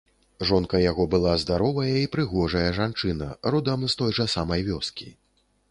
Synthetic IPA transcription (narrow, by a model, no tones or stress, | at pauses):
ʐɔnkɐjaɣɔbɨlˠazd̪aɾɔvɐjɐipɾɨɣɔʐɐjɐʐant͡ʂɨnɐɾud̪ɐmst̪ɔjʐɐsamɐjvʲɔskʲi